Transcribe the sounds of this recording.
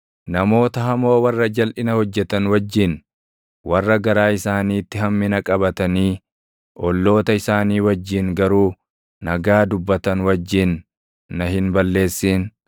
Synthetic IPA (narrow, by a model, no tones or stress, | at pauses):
nɐmo̞ːt̪ɐɦɐmo̞ːwɐrːɐd͡ʒɐlʔɪnɐhɔd͡ʒːɛt̪ɐnwɐd͡ʒːɪn | wɐrːɐɡɐɾaːɪsaːniːt̪ːɪɦɐmːɪnɐkʼɐbɐt̪ɐniː | ʔɔlːo̞ːt̪ɐɪsaːniːwɐd͡ʒːɪŋɡɐɾuː | nɐɡaːd̪ʊbːɐt̪ɐnwɐd͡ʒːɪnː | ɐɦɪnbɐlːe̞ːsːiːn